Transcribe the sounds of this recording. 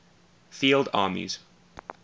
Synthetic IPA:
fiːlˠdɑ̰ːmḭz̥

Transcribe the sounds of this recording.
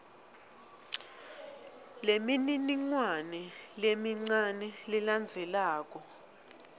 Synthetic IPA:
lemininiŋwanɛlemiŋ͡ǀanɛliland͡zʱɛlaːk̬ʼɔ

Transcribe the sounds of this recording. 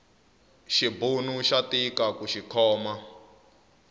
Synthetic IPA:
ʃibunuʃatikakuʃikʰɔːma

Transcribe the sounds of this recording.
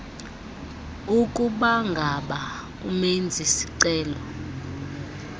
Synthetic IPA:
ukʼuɓaŋɡʱaɓa | ṵmend͡zʱisi̥ǀɛːlɔ

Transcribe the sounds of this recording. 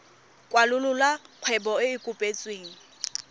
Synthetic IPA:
kʼwalʊlʊlaq͡χʰwɛbɔɪɪkʼʊpʼet͡sʼweːŋ̩

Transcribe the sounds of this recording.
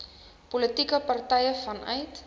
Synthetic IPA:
polətikəpɐrtɛjəfɐnʔœ̰jt

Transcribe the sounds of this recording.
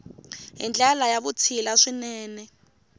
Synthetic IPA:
ɦḭnd͡ɮalajaβut͡sʰilaʂinɛːnɛ

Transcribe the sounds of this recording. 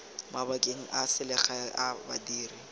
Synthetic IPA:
mabakʼeŋ̩ʔasɪlɛχaabadiːri

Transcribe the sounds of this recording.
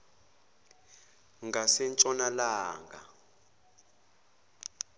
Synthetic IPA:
ŋɡasɛnt͡ʃʼɔnalaːŋɡa̰

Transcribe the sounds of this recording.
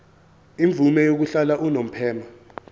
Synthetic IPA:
iɱvʱumɛjok̬uɬalaʔunom̩pʰɛːma

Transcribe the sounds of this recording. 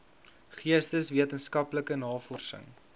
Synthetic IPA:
χiəstəsviətənskɐpləkənɑːfɔrsə̰ŋ

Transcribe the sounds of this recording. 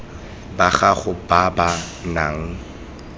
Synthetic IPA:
baχaχʊbaba | naːŋ̩

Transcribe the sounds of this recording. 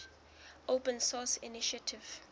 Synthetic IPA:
ʔopə̃nsɔsḭniʃatʰiv̥

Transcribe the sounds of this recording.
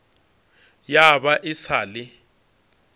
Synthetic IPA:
jabaʔɪsʰaːlɪ

